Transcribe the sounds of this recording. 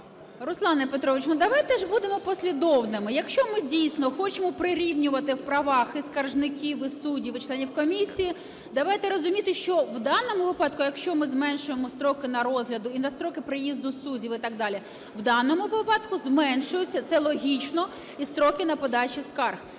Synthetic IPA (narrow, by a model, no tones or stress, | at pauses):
ɾʊslˠɑnɐpet̪ɾɔʋɪt͡ʃnʊd̪ɐʋɑjt̪ɛʒbud̪emɔpɔsʲlʲid̪ɔwnɪmɪjɐkʃt͡ʃɔmɪdʲijsʲnɔxɔt͡ʃemɔpɾɪɾʲiwnʲʊʋɐt̪ɪwpɾɐʋɑxiskɐrʒnɪkʲiʋɪsudʲiʋɪt͡ʃlˠɛnʲiwkɔmʲisʲiji | d̪ɐʋɑjt̪ɛɾɔzʊmʲit̪ɪʃt͡ʃɔwd̪ɑnɔmʊʋɪpɑt̪kʊjɐkʃt͡ʃɔmɪzmɛnʃʊjemɔst̪ɾɔkɪnɐɾɔzɦlʲɐd̪ʊinɐst̪ɾɔkɪpɾɪjizd̪ʊsudʲiwɪt̪ɑɡ̚d̪ɑlʲi | wd̪ɑnɔmʊʋɪpɑd̪kʊzmɛnʃʊjʊt͡sʲːɐt̪sɛlˠɔɦʲit͡ʃnɔ | ist̪ɾɔkɪnɐpɔd̪ɑt͡ʃʲiskɑrx